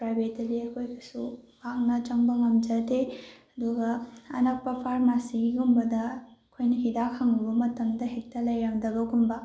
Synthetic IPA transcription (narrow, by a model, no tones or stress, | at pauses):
pɾajbʱetːɐdiɐkʰojɡɐsubak̚nɐt͡ʃɐŋbɐŋɐmd͡ʒɐteɐduɡɐɐ̰nɐk̚pɐpʰaɾmasiɡiɡumbɐdɐkʰojnɐɦidakʰaŋubɐmɐtɐŋdɐɦek̚tɐlɐjɾaŋdɐbɐɡumbɐ